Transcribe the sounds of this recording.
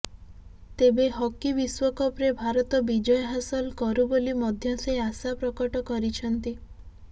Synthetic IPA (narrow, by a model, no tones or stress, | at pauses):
t̪ebeɦɔkibiswɔkɔpɾebʱaɾɔt̪ɔbid͡ʒɔjɔɦasɔlkɔɾubolimɔd̪ʱjɔseasapɾɔkɔʈɔkɔɾit͡ʃʰɔnt̪i